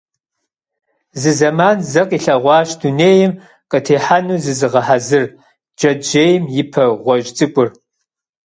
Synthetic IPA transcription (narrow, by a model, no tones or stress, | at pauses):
zɨzɐmaːnzɐqʼiːɬɐʁʷɑːɕduneːjɪm | qʼətʰeːħanuːzɨzɨʁɐħazɨr | d͡ʒɐd͡ʒeːjmjɪpʰɐʁʷɔʒʼt͡sʼɨkʷʼʊr